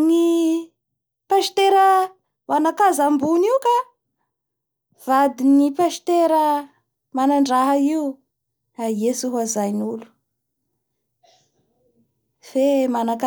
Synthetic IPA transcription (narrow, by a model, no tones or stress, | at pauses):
ni | paʃi̥t̪eɾə | vanakazambuniwka | v̥ad̪inipaʃi̥t̪eɾə | manaɳɖ͡ʐaɦəiu | aesuɦazajnulu̥ | femanaka